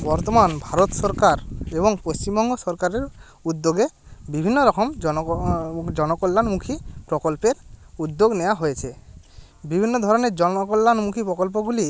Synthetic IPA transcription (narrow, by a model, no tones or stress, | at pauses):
bɔɾt̪omanbʱaɾot̪sɔɾkaɾeboŋpost͡ɕimbɔŋɡosɔɾkaɾeɾ | ud̪ːoɡebibʱinːoɾɔkʰomɔ | d͡ʑɔnokolːanmukʰipɾɔkolpeɾud̪ːoɡnewaɦojet͡ɕʰe | bibʱinːod̪ʱɔɾoneɾd͡ʑɔnkɔlːanmukʰipɾɔkɔlp̬oɡuli